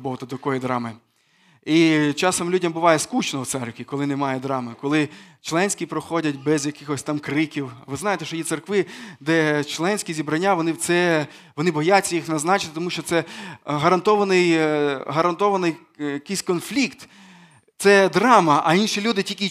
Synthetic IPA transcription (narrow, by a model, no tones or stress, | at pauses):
bɔɦt̪ɐd̪ɐkɔjid̪ɾɑmɪ | it͡ʃɑsɔmlʲudʲɐmbʊʋɑjɛskut͡ʃnɔwt̪sɛrkʋʲikɔlˠɪnɛmɑjɛd̪ɾɑmɪkɔlˠɪt͡ʃlˠɛnʲsʲkʲipɾɔxɔdʲɐtʲbɛzjɐkɪxɔsʲt̪ɑmkɾɪkʲiwʋɪznɑjet̪ɛʃɔjit̪serkʋɪd̪ɛt͡ʃlˠɛnʲsʲkʲizʲibɾɐnʲːaʋɔnɪwt̪sɛ | ʋɔnɪbɔjatʲt͡sʲːɐjixnɐznɑt͡ʃɪ̥t̪ɪt̪ɔmuʃt͡ʃɔt̪sɛɦɐɾɐnt̪ɔʋɐnɪjɦɐɾɐnt̪ɔʋɐnɪj | jɐkɪjsʲkɔnflʲikt̪ | t̪sɛd̪ɾɑmɐʔɐinʃilʲud̪ɪtʲikʲi